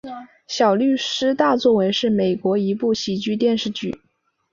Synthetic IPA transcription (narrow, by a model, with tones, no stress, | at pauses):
ɕjɑ˨˩ʊly˥˩ʂɻ̩˥t̪a˥˧t͡swɔ˥˩we˧˥ɪʂɻ̩˥˩me˨˩ɪkwɔ˧˥i˧˥pu˥˩ɕi˨˩t͡ɕy˥˧t̪jɛ˥˧nʂɻ̩˥˧t͡ɕy̰˥˩